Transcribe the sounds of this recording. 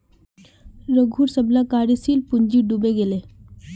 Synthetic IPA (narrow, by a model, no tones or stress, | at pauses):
ɾəɡʱuːɾsəblakaːɾjisiːlpuɲd͡ʒiɖubeɡele